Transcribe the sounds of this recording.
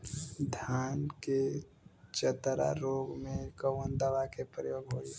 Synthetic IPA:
d̪ʱjaːnke | t͡ʃət̪ɾa̰ɾoːɡmẽkəwənd̪əʋakepɾəjoːɡɦoːi

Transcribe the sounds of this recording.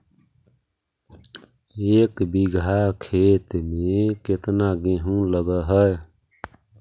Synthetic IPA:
eːkbiɡʱakʰet̪meket̪naɡeɦũləɡəɦəj

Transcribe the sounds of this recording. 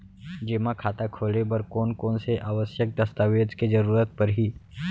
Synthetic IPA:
d͡ʒeːmakʰaːt̪akʰoːlebəɾkoːnkoːnseʔaːʋəsjək̚d̪ɐst̪aʋeːd͡ʒked͡ʒəɾuːɾət̪̚pɐɾɦiː

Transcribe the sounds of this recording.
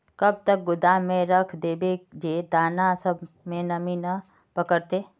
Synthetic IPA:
kɐb̚t̪ək̚ɡʊd̪amẽɾəkʰd̪eːbed͡ʒeːd̪aːnasəb | mẽnɐminə | pəkəɾt̪eː

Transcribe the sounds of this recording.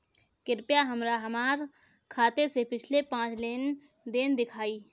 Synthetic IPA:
kɪɾpjaɦəmɾaɦəmaːɾ | kʰaːt̪esepɪt͡ʃʰlepãːt͡ʃleːn | d̪eːnd̪ɪkʰaːiː

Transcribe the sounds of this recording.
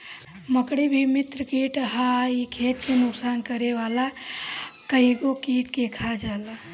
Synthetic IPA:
məkɽibʱimɪt̪ɾəkiːʈɦaikʰeːtsenʊksaːnkəɾeʋaːla | kəɦiɡokiːʈkekʰad͡ʒaːla

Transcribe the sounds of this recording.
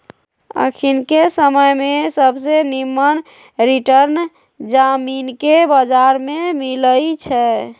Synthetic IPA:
ə̰kʰinkesəməjmesəbsenimːən | ɾiʈəɾn | d͡ʒaminkebəd͡ʒaɾmemiləjt͡ʃʰɛ

